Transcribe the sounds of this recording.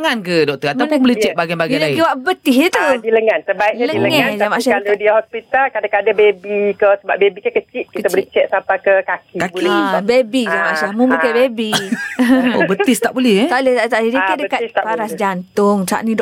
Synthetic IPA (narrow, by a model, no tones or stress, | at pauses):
ŋankədɔk̚t̪əat̪apʊnbəlɛht͡ʃɛt̪̚baɡanbaɡajlaid͡ʒuwaʔbət̪ɪɦɛt̪udiləŋant̪ərbaiʔləŋləŋɛd͡ʒamaʔsahalodiahɔspit̪alkadakadabebikəsəbabebikakət͡ʃit̪̚kiət̪abulɛht͡ʃɛʔ̪̚sampakəkakikablɛbebid͡ʒamaʔsahmubukabebi | obət̪ɪst̪aʔbulɛhɛt̪alɛht̪aʔt̪aʔd͡ʒadikadəkat̪t̪apaɾasd͡ʒant̪ʊŋsa̰ʔnĩd